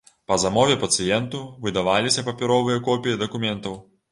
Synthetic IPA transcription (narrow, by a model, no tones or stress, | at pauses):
pɐzamɔvʲɛpɐt̪sɨjɛnt̪uvɨd̪ɐvalʲisʲɐpɐpʲɛɾɔvɨjɐkɔpʲijid̪ɐkumʲɛnt̪ɐw